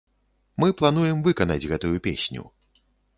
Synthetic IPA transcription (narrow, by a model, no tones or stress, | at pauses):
mɨplˠan̪ujɛmvɨkɐnɐ̰d͡zʲɣɛt̪ujupʲḛsʲnʲṵ